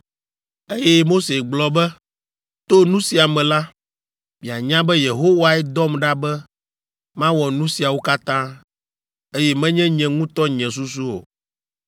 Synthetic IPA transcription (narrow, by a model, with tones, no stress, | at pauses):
e˦jɛ˦mo˦se˨ɡ͡blɔ˨bɛ˦ | t̪o˦nũ˦si˨a˨mɛ̃˨la˦ | mĩ˨a˨ɲã˦bɛ˦je˨ɦo˦wa˨ɛ˦d̪ɔ˦mɖa˦bɛ˦ | mã˦wɔ˨nũ˦si˨a˨wo˦ka˦t̪ã˦ | e˦jɛ˦mɛ̃˦ɲɛ̃˦ɲɛ̃˨ŋũ˦t̪ɔ˦ɲɛ̃˨s̬u˦s̬u˦o̰˨